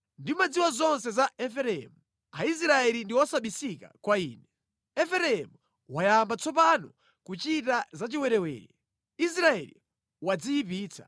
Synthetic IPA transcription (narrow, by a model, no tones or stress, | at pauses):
ndimad͡ziwazɔnsɛzaɛfɛɾɛɛ̰mu | ais̬ɾaɛlindiwɔsaɓisika̰kwaiːnɛ | ɛfɛɾɛɛmu | wajambat͡sɔp̬anɔ | kut͡ʃitazat͡ʃiwɛɾɛwɛ̰ːɾɛ | is̬ɾaɛlḭ | wad͡zijipiːt͡sʰḁ